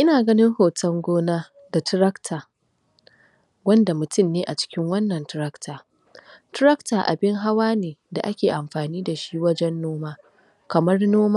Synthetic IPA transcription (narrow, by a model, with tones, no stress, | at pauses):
ʔɪ˦naː˨ɡɐ˦nɪ˦ŋhoː˨tɐ˦ŋɡʷoː˦naː˦ | da˨tɪ˦ɾɐ˦ktʰaː˨ | wɐ˦nda˨mʊ˨tʊ˦mːeː˦ʔa̰˨t͡ʃɪ̥˦kʲɪ˦ŋwɐ˦nːɐ˨ntɪ˦ɾɐ˦ktʰaː˨ | tʊ˦ɾɐ˦ktaː˨ʔa̰˨bɪ˦ŋɦa˦waː˦neː˨da˨ʔa˦kʲeː˨ʔa˨mɸaː˨niː˦da˨ʃi˦wɐ˦d͡ʒɛ˦nːoː˦maː˦ | kɐ˨mɐ˦rnoː˦maː˦